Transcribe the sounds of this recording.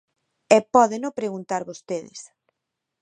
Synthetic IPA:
ɛpɔðenopɾeɣunt̪aɾβost̪eðɪ̰s

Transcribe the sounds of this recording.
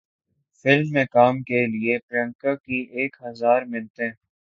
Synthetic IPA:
fɪlmːẽkaːmkeliepɾə̃ŋkakiʔeːkɦɐzaːɾmɪlt̪eɦɛ̃

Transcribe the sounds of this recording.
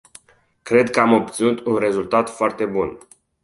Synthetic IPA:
kɾe̞d̪kəamo̞p̚t̪sinut̪unre̞zult̪at̪foart̪e̞bun

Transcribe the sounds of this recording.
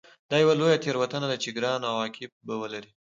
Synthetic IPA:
d̪ɑjawalojat̪ʰeɾwat̪ənad̪at͡ʃeɡɾɑnawɑkʰɪb̚bawəlaɾi

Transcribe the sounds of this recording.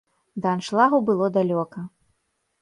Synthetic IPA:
d̪ɐanʂlˠaɣubɨlˠɔd̪alʲɔkɐ

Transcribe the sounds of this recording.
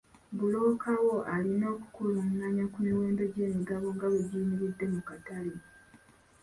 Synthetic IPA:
bulo̞ːkawo̞ʔalino̞ːku̥kulumunnaɲakumiwe̞ːmbe̞ɟe̞ːmiɡaβo̞ŋɡaβiɟiːniɾidːe̞mukatali

